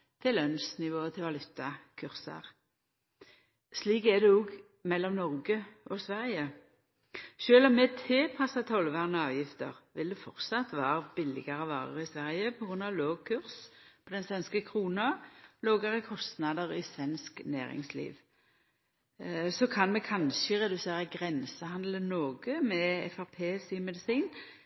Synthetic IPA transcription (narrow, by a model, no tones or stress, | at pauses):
t̪ʰɪlːœnsnɪʋoːət̪ʰɪlʋɑlʉt̪ːɑkʰʉʁsɑ̰ʁ | sliːkɛd̪ɛɔːɡ | mɛlːɔmnɔʁɡəʔɔsʋæʁjə | ʃøːlɔmːɛːt̪ʰɪlpʰɑsɑt̪ʰɔlʋæʁnəɑːʋjɪft̪ə̰ʁʋɪld̪ɛfɔʁt̪sɑt̪ːʋɑːɾəbɪlɪ̰ɡɑʁəʋɑ̰ːʁə̰ʁɪsʋæʁjəpʰɔɡɾʉnɑʋloːɡkʰʉʁspʰɔd̪ɛnsʋɛnskəkʰʁuːnɑloːɡəʁəkʰɔst̪nɑd̪əʁɪsʋɛnsknæ̰ːɾɪ̰ŋslḭːʋ | sɔkʰɑnmɛkʰɑnʃəʁɛd̪ʉseːʁəɡʁɛnsəhɑnd̪lənoːɡəmɛɛ̰fæʁpʰeːsimɛd̪ɪsiːn